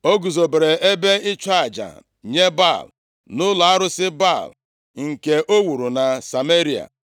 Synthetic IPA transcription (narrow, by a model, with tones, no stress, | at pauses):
o˦ɡu˨zo˨be˨ɾe˨e˦be˦ɪ˦t͡ʃa˦a˨d͡ʒa̰˨ | ɲe˦ba̰˦˨l | nʊ˦la˨a˦ɾʊ˦sɪ˦ba˦˨l | ŋ̩˨ke˨ʔo˦wu˨ɾu˨na˨sa˨me˦ɾi˨a̰˨